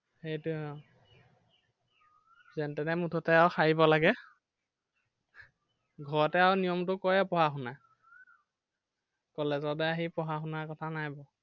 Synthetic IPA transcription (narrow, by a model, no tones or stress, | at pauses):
xejtʊɔ | zɛntɛnɛmutʰɔtɛawxaɹibɔlaɡɛ | ɡʱɔɹɔtɛawnijɔmtʊkɔjɛpɔɦaxuna | kɔlezɔdɛaɦipɔɦaxunaɹkɔtʰanajbɔ